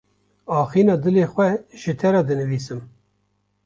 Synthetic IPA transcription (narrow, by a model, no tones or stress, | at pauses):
ɑːxiːnɑːd̪ɨleːxʷɛʒ̥ɨt̪ʰɛɾɑːd̪ɨnɨviːsɨm